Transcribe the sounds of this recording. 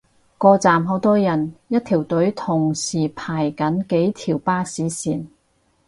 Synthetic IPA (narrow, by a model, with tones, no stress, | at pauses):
kɔː˧t͡saː˨mɦo˨˧˥wt̪ɔː˥jɐ˨˩njɐ˥t̚t̪ʰiː˨˩wt̪ɵ˨˥ɥt̪ʰʊ˨˩ŋsiː˨˩pʰaː˨˩jkɐ˨˥nke˨˥jt̪ʰiː˨˩wpaː˥siː˨˥siː˨˩n